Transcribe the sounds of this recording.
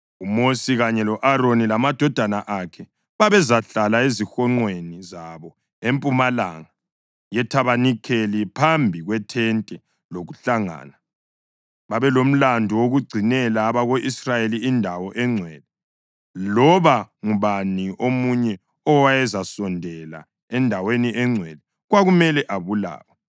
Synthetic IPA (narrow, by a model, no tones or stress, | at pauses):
umosiɣaɲɛlɔʔaɾonilamad̥ʱɔd̥ʱanaʔakʰɛ | βaβɛzaɬalaezixɔŋ͡ǃwenizaβɔ | empʼumala̰ŋa | jɛtʰaβanikʰelipʰambʱiɣwɛtʰɛntʼɛ | loɣuɬaŋa̰ːna | βaβɛlom̩landʱɔwoɣuɡ͡ǀʱinɛlaːβaɣoʔisrajeliːndʱawɔʔɛŋ͡ǀʱwɛlɛ | lɔβaŋuβaniʔomuɲɛ | ɔwajɛzasɔndʱɛla̰ | ɛndʱaweniʔɛŋ͡ǀʱwɛli | ɣwaɣumɛlɛʔaβula̰ːwa